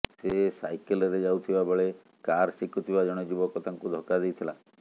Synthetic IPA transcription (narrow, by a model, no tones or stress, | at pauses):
sesajkelɔɾed͡ʒawt̪ʰibabɔɭe | kaɾsikʰɔt̪ʰibad͡ʒɔɽ̃ɔd͡ʒibɔkɔt̪aŋkud̪ʱɔkad̪ejt̪ʰila